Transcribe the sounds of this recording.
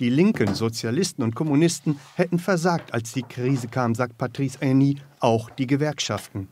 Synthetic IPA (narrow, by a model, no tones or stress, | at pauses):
d̥iːlɪŋkənzot͡sjalɪstn̩ʊnt̚kʰɔmunɪstn̩hɛtn̩fɛɐzaːk̚tʰalsd̥iːkʁ̥iːzəkʰaːmzaːk̚t̚pʰatʁ̥iːsɛniːʔaʊxd̥iːɡəvɛɐkʃaftn̩